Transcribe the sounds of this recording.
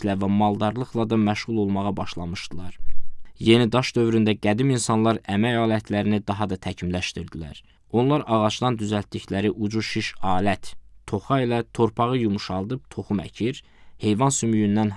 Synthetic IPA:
lævæmɑlˠd̪ɑɾlˠɯχlˠɑd̪ɑmæʃʁulˠo̞lˠmɑʁɑbɑʃlˠɑmɯʃd̪̥ɯlˠɑɾje̞nid̪ɑʃd̪ø̞vɾynd̪æɡæd̪iminsɑnlˠɑɾæmæjɑːlæt̪ʰlæɾinid̪ɑɦɑd̪ɑt̪ʰæcʰimlæʃt̪iɾd̪ilæ̰ɾ | o̞nlˠɑɾɑʁɑt͡ʃd̪ɑnd̪yzælt̪̚d̪içlæɾiʔud͡ʒuʃiʃɑːlæt̪t̪ʰo̞χɑilæt̪ʰo̞ɾpʰɑʁɯjumuʃɑlˠd̪ɯb̚t̪ʰo̞χumæ̰cʰiɾ | he̞jvɑnsymyjynd̪æn

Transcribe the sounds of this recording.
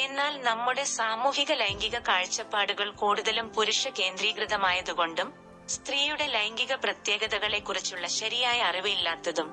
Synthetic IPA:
e̞nːaːlnɐmːuɽe̞saːmuːhiɣɐlɐjŋɡiɣɐkaːɻt͡ɕːɐpːaːɽuɣɐɭkoːɽuðɐlumpuɾuʂɐke̞ːnd̪riːkrɨðɐmaːjɐðuɣo̞ɳɖum | st̪riːjuɽe̞lejːŋɡiɣɐprɐt̪je̞ːɡɐðɐɣɐɭe̞kːurit͡ɕːuɭːɐɕɐɾijaːjɐːriʋɨilːaːt̪ːɐðum

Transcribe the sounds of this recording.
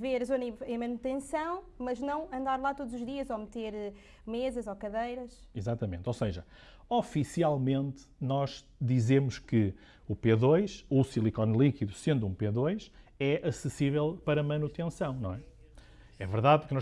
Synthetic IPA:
veɾzoniɐ̃j̃mɐnut̪ẽsɐ̃w̃mɐʒnɐ̃w̃ɐ̃nd̪aɾlˠat̪od̪uzuʒðiɐzomɨt̪eɾ | mezɐzokɐðɐjɾɐʃ | izat̪ɐmẽnt̪oseʒɐ | ɔfisialˠmẽnt̪ | nɔʒ | d̪izemuʃkɨ | upeðojʃusilˠikɔnlˠikiðusẽnd̪uũpeðojʃ | ɛʔɐsɨsivɛlˠpɐɾɐmɐnut̪ẽsɐ̃w̃nɐ̃w̃ɛ | ɛvɨɾðaðpuɾknɔ̃

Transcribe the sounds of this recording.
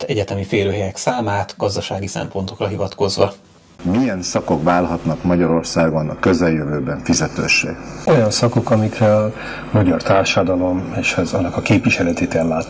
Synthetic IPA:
t̪ɛɟɛt̪ɛmifeːɾøːɦɛjɛksaːmaːt̪ɡɒzd̪ɒʃaːɡisɛ̰mpo̞nt̪o̞krɒɦivɒt̪ko̞zʋɒ | mijɛnsɒko̞kvaːlɦɒt̪nɒkmɒɟɒɾo̞rsaːɡonɒkøzɛljøvøːbɛɱfizɛt̪ø̰ːʃːḛːɡojɒnsɒko̞kɒmikrɛl | mɒɟɒrt̪aːrʃɒd̪ɒlo̞meːʃɛzɒnːɒkɒkeːpviʃɛlɛt̪eːt̪ɛlːaːt̪

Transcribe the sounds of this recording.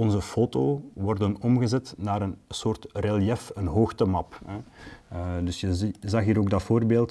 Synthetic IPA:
ɔnzəfoːtoːʋɔrdənɔmɣəzɛtnaːɾənsoːrtrɛljɛfənɦoːxtəmɑpɛ | dɵsjəzɑxɦiːɾoːɡ̚dɑtfoːrbeːlˠt

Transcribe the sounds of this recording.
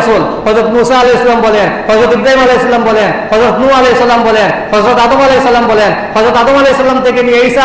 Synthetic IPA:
sulhɔzɔt̪musaːlejsɔlambɔlɛnhɔzɔt̪ibɾajimalejsɔlambɔlɛnhɔzɔt̪nualejsɔlambɔlɛnhɔzɾɔt̪adɔmalejsɔlambɔlɛn | hɔzɔt̪adɔmalejsɔlamtekiniejsa

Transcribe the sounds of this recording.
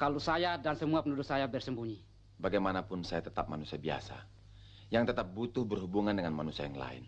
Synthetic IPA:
kalosajadansəmuapənudʊt̪̚sajabərsəmbuɲi | baɡajmanapʊnsajat̪ət̪ap̚manusiabia̰sa | jaŋt̪ət̪ap̚but̪ʊhbərɦubuŋandəŋanmanusiajaŋla̰ɪ̰n

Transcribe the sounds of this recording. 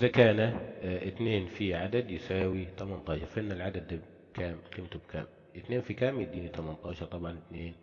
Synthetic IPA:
ʔɪzakaːnaʔɪt̪neːnfiʕad̪ad̪jɪsaːwit̪amant̪ˤɑːʃɑɾˤfʔɪnːalʕad̪ad̪ːḁ | kʰaːmqiːmt̪ubkʰa̰ːm | ʔɪt̪neːnfikaːmjɪd̪iːnit̪ɑmant̪ˤɑːʃɑɾˤt̪ˤɑbʕɑnɪt̪neːn

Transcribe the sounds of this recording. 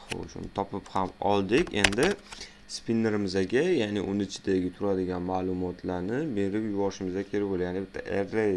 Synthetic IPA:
o̰ʃʊ̰nɪt̪ʰɒpɪphamɒlˠd̪ɪkʲe̞nd̪ɪ | spinːeɾɪmɪzaɡʲajaːnɪʔʊnɪɪt͡ʃʰɪd̪aɡʲɪt̪ʰʊɾad̪ɪɡʲanmaːlˠʊmɒt̪ʰlaɾnɪbe̞ɾɪpjʊvɒɾʃɪmɪzʲakʲʰeɾɪpoljaːnɪbɪt̪ʰːa̰ʔeɾːej

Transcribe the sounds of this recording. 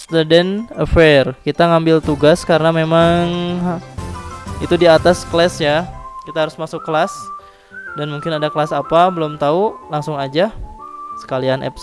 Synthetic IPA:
st̪udɛnəfɛrkit̪aŋambɪlt̪uɡaskaɾənamemaŋ | it̪udiat̪askəlɛsjakit̪aɦaɾʊsmasʊkːəlas | danmuŋkɪnadakəlasapabəlʊmt̪aulaŋsʊŋad͡ʒasə̥kalianʔɛ̰p

